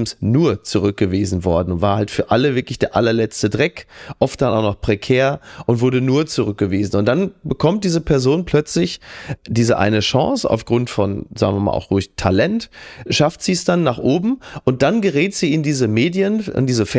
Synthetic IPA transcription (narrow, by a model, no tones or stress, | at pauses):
m̩snuːɐt͡suʁ̞ʏk̚ɡ̥əviːzn̩vɔɐdn̩ʊntv̥aːɐhaltfyːɐʔaləvɪɐklɪçd̥eːɐʔalɐlɛt͡stədʁɛkʔɔft̚d̥anʔa̰ʊxnɔχpʁ̥ekʰɛːɐʔʊntv̥ʊɐdənuːɐt͡suʁʏk̚ɡ̥əviːzn̩ʊnt̚d̥anbəkʰɔmt̚d̥iːzəpʰɛɐzoːnpʰl̥œt͡slɪçd̥iːzəʔa̰ɪnəʃɑ̰̃ŋsa̰ʊfɡ̥ʁʊntfɔnza̰ːɡŋ̩vɪɐma̰lʔa̰ʊxʁʊɪçtʰalɛntʃaftz̥iːsd̥anːaːχʔoːbm̩ʔʊnt̚d̥anɡəʁɛːtz̥iːɪndiːzəmeːdjənɪ̰ndiːzəfɛ